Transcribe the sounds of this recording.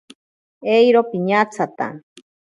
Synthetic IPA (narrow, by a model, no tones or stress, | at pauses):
ejɾopiɲat͡sʰat̪a̰